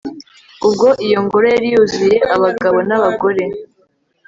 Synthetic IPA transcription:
ubɡo̞ʔijo̞ŋɡo̞ɾojaɾijuzuje̞ʔaβaɡaβo̞naβaɡo̞ɾe̞

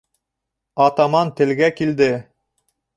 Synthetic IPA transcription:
ɑt̪ɑmɑnt̪ɘ̆lɡækild̪ɘ

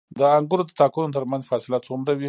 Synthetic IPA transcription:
d̪əaŋɡuɾod̪ət̪ɑkunot̪əɾmanzfɑsɪlat̪omɾawi

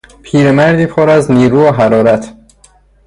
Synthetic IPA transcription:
pʰiːɾemæɾd̪iːpʰoɾæzniːɾuːɒɦæɾɒːɾæt̪ʰ

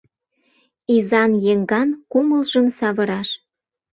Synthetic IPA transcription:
izɑnjeŋɡɑnkuməlʒəmsɑβɤɾɑʃ

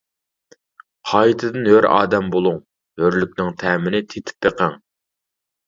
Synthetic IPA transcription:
qʰɑjt̪ʰɨd̪ɨnɦøɾɑ̰ːd̪ɛmbolˠuŋ | høɾlykʲnɪŋt̪ʰɛːmɪnɪt̪ʰet̪ʰɪ̥p̚b̪eqʰæŋ

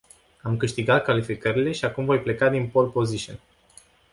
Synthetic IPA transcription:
amkɨʃt̪iɡat̪̚kalifikəɾile̞ʃiakumvo̞jple̞kad̪inpo̞lpo̞ziʃio̰n

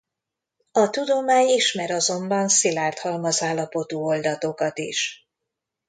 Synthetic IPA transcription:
ɒt̪ud̪o̞maːɲiʃmɛɾɒzo̞mbɒnsilaːrt̪hɒlmɒzaːlːɒpo̞t̪uːo̞ld̪ɒt̪o̞kɒt̪ḭʃ

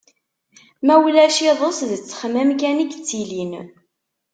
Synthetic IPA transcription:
mæwlæʃiðˤosðət͡sːχmæmk̬ænəkt͡sːilin

